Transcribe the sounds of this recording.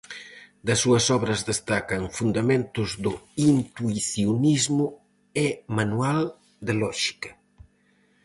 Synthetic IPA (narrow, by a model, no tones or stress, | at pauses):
d̪ɐsːuɐsɔβɾɐzd̪est̪akɐŋfund̪ɐmẽnt̪uzd̪uint̪uiθiunizmu | emanual | d̪əlɔʒ̥i̥kɐ